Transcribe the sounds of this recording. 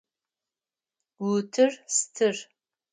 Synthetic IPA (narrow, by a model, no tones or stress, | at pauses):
wutʰɨrstʰɨr